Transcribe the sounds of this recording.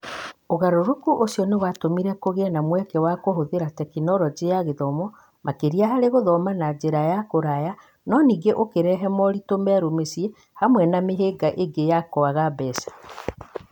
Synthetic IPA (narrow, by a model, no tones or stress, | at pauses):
oɣaɾoɾokuʔosiɔnewatomiɾɛkoɣeɛnamwɛkɛwakoɦoðeɾatɛkinɔɾɔd͡ʑejaɣeðɔmɔ | makeɾiaɦaɾeɣoðɔmanad͡ʒeɾajakoɾaja | nɔniːɡeʔokeɾɛɦɛmɔɾitomɛɾomesie | hamwɛnameɦeɡaʔeɡejakoaɣabɛːsḁ